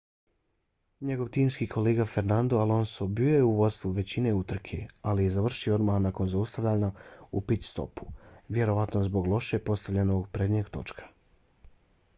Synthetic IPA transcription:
ɲe̞ɡo̞ʋt̪iːmskikʰo̞leːɡafe̞ɾnand̪oalˠo̞nsobiojeuʋo̞d̪st̪ʋuʋe̞t͡ɕine̞ut̪r̩kʰḛalije̞zaʋr̩ʃioo̞d̪mahnako̞nzaust̪aʋʎaɲaupit̪ʲst̪o̞̰pu̥ʋje̞ɾo̞ʋat̪nozbo̞ɡlˠo̞ʃe̞po̞st̪aʋʎenoɡpɾed̪ɲeɡt̪o̞̰t͡ʃkʰḁ

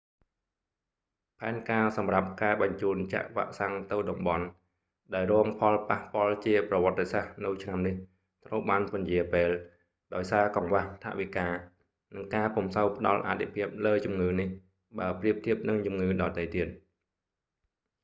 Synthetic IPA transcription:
pʰaɛnkaːsɑmrap̚kaɛɓɑɲt͡ɕuːnt͡ɕa̰ʔʋa̰ːʔsaŋt̪ɨwɗɑmɓɑn | ɗaɛlrɔəŋpʰɑlpahpŏəlt͡ɕiəprɑʋə̆ət̪ːesahnɨwt͡ɕʰnamnih | t̪rəwɓaːnpɑnjiəpeːl | ɗaɔjsaːkɑŋʋaht̪ʰa̰ʔʋikaː | nɨŋkaːpumsəwpə̆ɗɑlʔa̰t̪ʰːipʰiəp̚ləːt͡ɕumŋɨːnih | ɓaəpriəp̚t̪ʰiəp̚nɨŋt͡ɕumŋɨːɗɑːt̪əjt̪iət̪̚

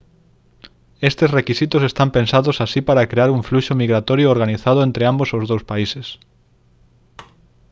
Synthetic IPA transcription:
est̪esrekisit̪ʊsest̪ampensaðʊsasipaɾakɾeaɾuɱfluʃomiɣɾat̪ɔɾjʊoɾɣaniθaðʊẽnt̪ɾeambosowzðowspaises

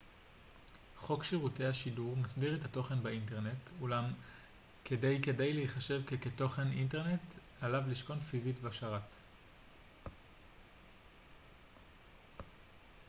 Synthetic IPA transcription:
χo̞kʃiʁute̞haʃiduʁmasdiʁetato̞χe̞nbeint̬e̞ʁne̞tulam | kedejke̞dejleiχaʃe̞vkeketo̞χe̞ninte̞ʁne̞t | alavliʃko̞nfizitvaʃaʁat

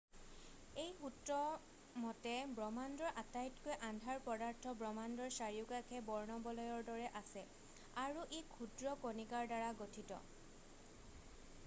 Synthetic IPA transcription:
ejxutɹɔ | mɔtɛbɹɔmandɔɹʔatajtkojʔãndʱaɹpɔdaɹtʰɔbɹɔmandɔɹsaɹiʊkakʰɛbɔɹnɔbɔlɔjɔɹdɔɹɛʔasɛ | aɹuʔikʰudɹɔkonikaɹdaɹaɡotʰitɔ̰

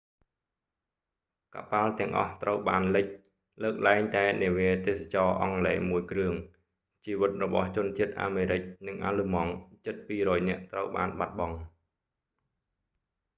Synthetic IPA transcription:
ka̰ʔpalt̪ɛ̆əŋʔɑ̰ht̪rəwɓaːnlɨc̚ | ləːk̚laɛŋt̪aɛniəʋiət̪eːsat͡ɕɑːʔɑŋleːmuəjkrɨəŋ | t͡ɕiːʋɨt̪̚rɔɓɑht͡ɕʊ̆ənt͡ɕiət̪̚ʔa̰ːmeːɾɨc̚nɨŋʔa̰ːlɨmɑŋt͡ɕɨt̪̚piːrɔːjnɛ̆əʔt̪rəwɓaːnɓat̪̚ɓɑŋ

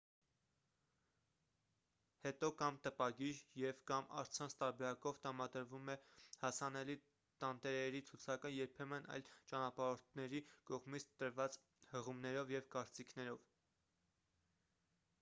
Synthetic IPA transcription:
hɛt̪ɔkɑmt̪əpɑɡiɾjɛvkɑmɑ̰ɾt͡sʰɑnt͡sʰt̪ɑɾbɛɾɑkɔvt̪əɑmɑd̪əɾvumɛhɑsɑnɛli | t̪ɑnt̪ɛɾɛɾit͡sʰut͡sʰɑkəjɛɾpʰɛmənʔɑ̰jlt͡ʃɑnɑpɑɾɔɾt̪ʰnɛɾikɔʁmit͡sʰt̪əɾvɑt͡s | həʁumnɛɾɔvjɛvkɑɾt͡sikʰnɛɾɔv

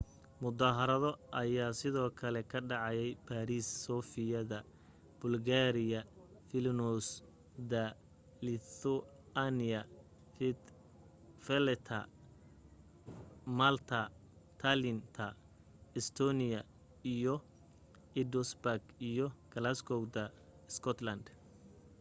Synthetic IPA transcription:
mʊd̪aːɦɐɾɐðɔʔɐjaːsɪðɔːkʰɐlɛkʰɐɖɑʕɑjɛjbʰaːɾiːsːɔːfɪjɐðɐ | b̥ʊlɡaːɾɪjɐ | fɪlnɔs | d̪ɐ | lɪθɔ | anɪɐ | f | fɛlɛt̪ʰɐ̰ | malt̪ʰɐt̪ʰalɪnt̪ʰɐ | ɛst̪ʰɔnɪjɐ | ijɔ | ɪd̪ɔsbaɡijɔkʰɐlaskʰɔwd̪ɐ | ɛskʰɔt̪lɐnd̪

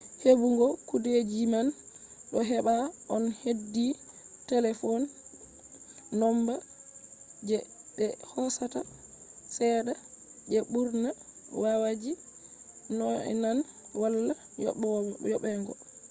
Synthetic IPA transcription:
hebuŋɡɔkudɛd͡ʒimanɗɔɦɛɓaʔɔnhedːitɛlɛfɔn | ɔmba | d͡ʒɛɓɛhɔsata | sɛːdad͡ʒɛɓuɾnawawad͡ʒi | nɔɛ̰nanwalːa | jjɔɓɛŋɡɔ

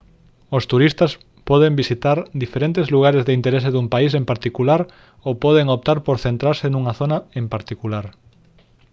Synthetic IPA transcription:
ost̪uɾist̪ɐs | pɔðembisit̪aɾd̪ifeɾent̪ezluɣ̞aɾezðeint̪eɾes̬eðumpais̬empaɾt̪ikulaɾ | owpɔðeŋop̚t̪aɾpoɾθent̪ɾaɾsenuŋaθonaempaɾt̪ikulaɾ

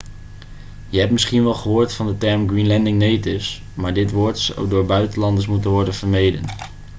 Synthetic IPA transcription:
jəɦɛpmɪsχinʋɛlˠχəɦʊːɹtfɑndətɛɹmɡrinlɛndɪŋnejtɪfs | maːɹdɪtʋʊːɹtswdoːɹbœɥtənlɑndəɹs̬mutənʋɔɹdənv̥əɹmejdən

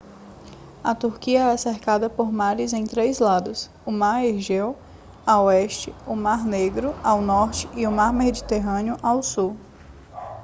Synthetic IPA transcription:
ɐt̪uɾkiɐɛaseɾkad̪ɐpoɾmaɾɪzẽj̃t̪ɾejzlad̪ʊs | ʊmaɾehʒew | awɛʃt͡ʃɪʊmaɾneɡɾʊawnɔɾt͡ʃɪ̥ʔiʊmaɾmed͡ʒit̪eɦɐ̃niʊʔawsu

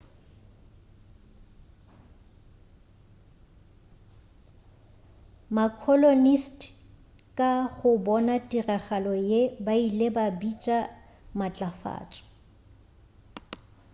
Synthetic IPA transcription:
makʰɔlonistʰ | kʼaɣʊbɔnatʼiraχalɔjebailebabit͡ʃʼa | mat͡ɬʼafa̰ːt͡ʃʼɔ̥

